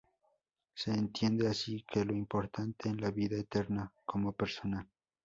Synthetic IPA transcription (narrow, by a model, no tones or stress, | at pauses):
se̞ːnt̪jend̪easikʰeloimpoɾt̪ant̪eːnlaβiðaet̪eɾnakʰomopeɾsonal